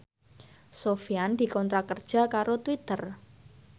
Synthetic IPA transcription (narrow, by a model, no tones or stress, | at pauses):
sofiand̪̥i̤kɔnt̪ɾakərd̥ʒ̥a̤kaɾot̪wit̪ər